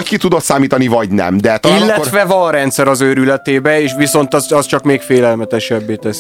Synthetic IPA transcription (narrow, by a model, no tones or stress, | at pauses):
ckit̪ud̪o̞t̪saːmiːt̪ɒnivɒɟnɛ̰md̪ɛt̪ɔaillːɛtrʋɛvɒnrɛnt̪sɛɾɒzøːɾylɛt̪eːbɛeːʃʋiso̞nt̪ɛzɛst͡ʃɒkmeːkfeːlɛlmɛt̪ɛʃɛbːeːt̪ɛs